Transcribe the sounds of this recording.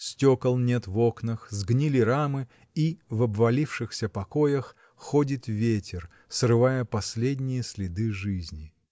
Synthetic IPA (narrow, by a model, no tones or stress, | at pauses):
sʲtʲokəlˠnʲet̪voknəxzɡnʲilʲɪɾamɨ | ivɐbvɐlʲifʂɨxsʲəpɐko̞jəx | xodʲɪt̪vʲetʲɪr | srɨvajəpɐsʲlʲedʲnʲɪjəsʲlʲɪd̪ɨʐɨzʲnʲɪ